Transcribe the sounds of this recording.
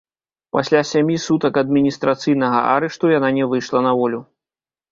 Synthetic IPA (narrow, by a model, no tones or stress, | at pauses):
pasʲlʲasʲamʲisut̪ɐkɐd̪̚mʲinʲist̪ɾat̪sɨjn̪ɐɣɐ̰ʔa̰ɾɛʂt̪ujananʲɛvɨjʂlˠɐnɐvɔlʲu